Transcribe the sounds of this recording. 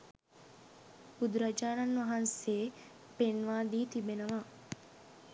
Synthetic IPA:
bud̪uɾɐd͡ʒaːnɐnːʋɐɦɐnseː | penʋaːd̪iːt̪ibenɐʋaː

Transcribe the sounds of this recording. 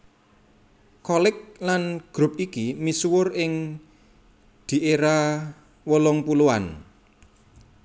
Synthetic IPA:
kɔlɪk̚lanɡ̥ɾʊp̚ikimiswʊrɪŋ | d̪̥i̤ʔeɾa | wəlɔŋpuluwan

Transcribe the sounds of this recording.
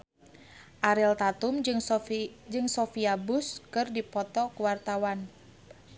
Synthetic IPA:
ʔaɾilt̪at̪ʊmŋd͡ʒɨŋsofiabʊskɨrdipɔt̪ɔkuwart̪awan

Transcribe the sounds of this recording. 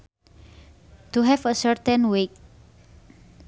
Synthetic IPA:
t̪uɦɛfəsɛɾt̪ɛ̃nwek̚

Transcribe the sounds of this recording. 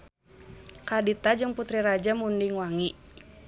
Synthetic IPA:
kadit̪ad͡ʒɨŋput̪ɾiɾad͡ʒamundiŋwaŋiʔ

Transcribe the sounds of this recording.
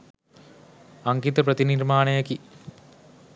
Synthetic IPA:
ɐŋɡit̪ɐprɐðinirmaːnɐjɐki

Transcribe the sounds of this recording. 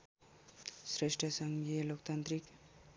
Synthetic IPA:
sɾesʈʰʌsʌŋɡijʌlokt̪ant̪ɾik

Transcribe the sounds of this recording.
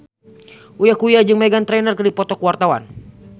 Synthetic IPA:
ʔujakujad͡ʒɨŋmɛɡant̪ɾɛnərkɨrdipɔt̪ɔkuwart̪awa̰n

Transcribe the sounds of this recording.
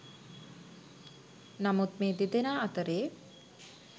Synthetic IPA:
namut̪meːd̪id̪enaːat̪əɾeː

